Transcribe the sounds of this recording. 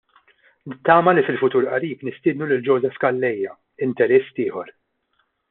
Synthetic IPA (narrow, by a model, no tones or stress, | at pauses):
nɪt̪ːɐːmɐlifɪlfʊt̪uːɾʔɐɾiːknɪst̪ɪːd̪nulɪld͡ʒɔwːzɛfkɐlːɛjːɐ | ɪnt̪ɛɾɛsːt̪ɪːħɔɾ